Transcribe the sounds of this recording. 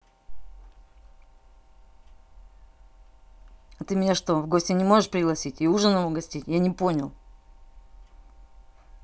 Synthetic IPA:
ɐt̪ɨmʲɪnʲaʂt̪o̞vɡo̞sʲtʲɪnʲɪmo̞ʐɨʂpɾʲɪɡlˠɐsʲitʲɪuʐənəvoɡɐsʲtʲitʲjanʲɪpo̞nʲɪlˠ

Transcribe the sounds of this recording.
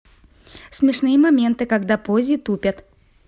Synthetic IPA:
sʲmʲɪʂnɨjəmɐmʲent̪ɨkɐɡd̪apozʲɪt̪upʲət̪

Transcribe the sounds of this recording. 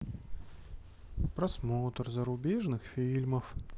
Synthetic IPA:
pɾɐsmot̪ərzəɾʊbʲeʐnɨxfʲilʲməf

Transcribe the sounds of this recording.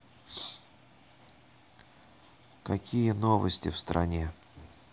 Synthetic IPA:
kɐkʲijənovəsʲtʲɪ̰fst̪ɾʔɐ̰nʲe

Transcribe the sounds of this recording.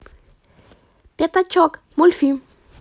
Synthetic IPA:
pjat̪at͡ʃɔk | mulfi

